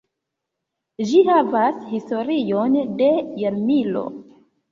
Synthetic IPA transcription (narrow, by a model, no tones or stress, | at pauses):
d͡ʒihavashisto̞ɾijonde̞jamilo̞̰